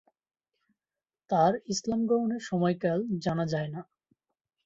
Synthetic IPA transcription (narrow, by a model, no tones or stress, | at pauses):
t̪aɾislamɡɔoneɾʃɔmɔjkald͡ʑanad͡ʑaena